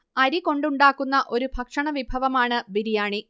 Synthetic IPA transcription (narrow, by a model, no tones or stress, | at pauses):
ɐɾiko̞ɳɖuɳɖaːkːunːɐʔo̞ɾubʱɐkʂɐɳɐʋibʱɐʋɐmaːɳɨbiɾijaːɳi